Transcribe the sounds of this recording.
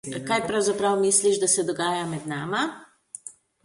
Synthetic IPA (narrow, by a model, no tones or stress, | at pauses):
kaːjpɾawzapɾawmisliʒd̪asɛd̪ɔɡaːjamɛd̪naːma